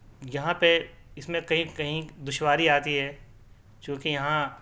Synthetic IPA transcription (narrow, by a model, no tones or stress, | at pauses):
jɐɦãpe | ɪsmẽkɐɦĩkɐɦĩd̪ʊʃwaːɾiaːt̪iɦɛː | t͡ʃũːkejɐɦã